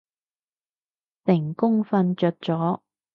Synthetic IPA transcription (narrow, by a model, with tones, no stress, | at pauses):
t̪ɪ˨˩ŋkʊ˥ŋfɐ˧nt͡ʃœː˨˧t̚t͡sɔː˨˥